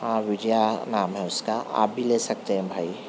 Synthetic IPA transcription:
ɦãːʋɪd͡ʒjanaːmɦɛʊskaa̰ːp̚bʱileːsɐk̚t̪eɦɛ̃bʱaːi

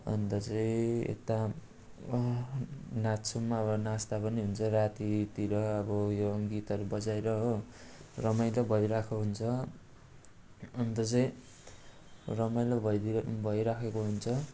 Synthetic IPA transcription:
ʌ̰nt̪ʌt͡sʌj̃ḛt̪a | nat͡sʰumːaʌbʌnast̪apʌniɦunt͡sʰʌrat̪it̪iɾʌːbʌjoɡit̪ʌɾubʌd͡zajɾʌ | rʌmajlʌbʱʌjɾakʰoɦunt͡sʰʌ | ʌnt̪ʌt͡saĩ | rʌmajlabʱʌbʱʌjɾakʰekoɦunt͡sʰʌ

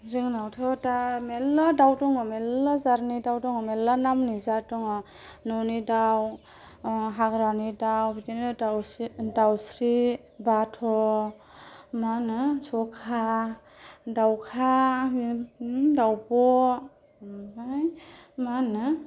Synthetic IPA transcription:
zɯŋnawtʰɔtamelːadawtɔŋɔmelːazaɾnidawtɔŋɔmelanamnizatɔŋɔ | nɔnidaw | ɦaɡɾanidawbitin | dawsɾi | batʰɔ | manɯsɔkʰa | dawkʰa | dawpɔ | bajmanɯ

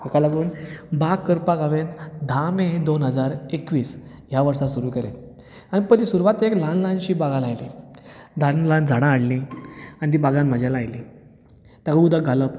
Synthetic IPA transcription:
akalaɡuːnbakːəɾpaɡaʋend̪ʱamẽd̪onɦəd͡zaɾekʋiːs | jaʋəɾsasuɾuːkəɾe | anipəɾisuɾuʋat̪eklanlãnɕiːbaɡalajlid̪ʱanland͡zʱaɽ̃ãːɽlianit̪̬ibaɡãnməd͡ʑʱjalajli | t̪akəud̪əɡʱaləp

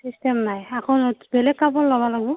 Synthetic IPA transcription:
sistemnajakʰɔnbɛlɛkkːabɔlːɔbalaɡbɔ

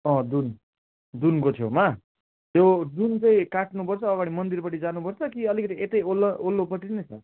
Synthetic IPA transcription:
ʌ̃d̪un | d̪unkot̪ʰjoma | jod̪unt͡sʌĩkaʈnupʌrt͡sʰʌːɡaɽ̃imʌnd̪irpʌʈid͡zanupʌrt͡sʰʌkiʌlikʌt̪iet̪ʌjolːʌolːopʌʈinʌt͡sʰʌ

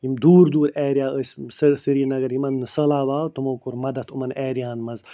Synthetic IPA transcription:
jimd̪uːɾd̪uːɾɛːɾijaːəsʲsɨɾsɨɾiːnɐɡɐɾjimɐnːɨsəlaːʋaːt̪umoːkuɾmɐd̪ɐt̪ʰumɐnɛːɾijãːnmɐz

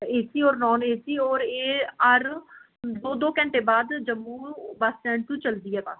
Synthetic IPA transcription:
eːsiːɔːɾnɔːneːsiːɔːɾeːəɾ | d̪oːd̪oːkɛ̃ɳʈeːbaːd̪d͡ʒəmːuːbəsd͡ʒɛ̃ːɳt̪ũːt͡ʃəld̪iːɛːpa̰ːs

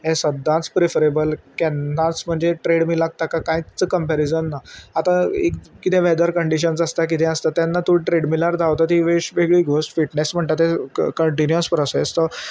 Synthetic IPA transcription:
ɦẽsəd̪ːãt͡spɾefəɾebəlkjɛ̃nːãt͡sm̤əɳd͡zeʈɾeɽmiːlaɡ̚t̪akakãit͡səkəmpæɾid͡zənːaat̪ãekkit̪ʰɛ̃ʋɛd̪əɾkəɳɖiɕ̬ənsəst̪ak̬it̪ʰɛ̃əst̪at̪ːjanːat̪uɽʈɾeɽmilaɾd̪ʱaʋt̪ət̪iːʋeɕʋeɡɭiːɡʱosʈfiʈnesm̤əɳʈ̪at̪ɦẽkəɳʈinjəspɾɔsest̪ɔ

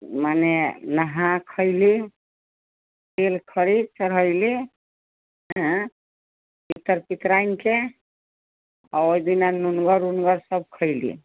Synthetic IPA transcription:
manenəɦãkʰəɪli | pelkʰəɾit͡ʃəɾɦəɪli | ɦə̃ | pit̪ːəɾpit̪ɾajnke | aojd̪inanunɡəɾunɡəɾsəb̚kʰəɪlḭ

